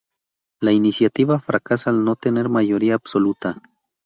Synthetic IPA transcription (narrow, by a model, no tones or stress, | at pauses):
lainisjat̪iβafɾʔakasaːlnot̪ene̞ɾmajoɾiaːbsolut̪a